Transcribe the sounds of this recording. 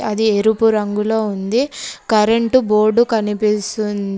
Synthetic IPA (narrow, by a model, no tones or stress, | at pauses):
ɐd̪ieɾupuɾɐŋɡulo̞ːund̪ikɐɾeɳʈuboːɾɖukɐnipisun